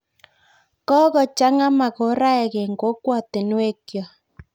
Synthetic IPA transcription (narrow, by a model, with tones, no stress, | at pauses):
kɔ˦ɣɔ˨t͡ʃa˦ŋa˦ma˨ɣo˨˦ɾa˦ɛ˨ɣe˨ŋɡo˨˦kwɔ˨te˨nwe˦kjɔ˨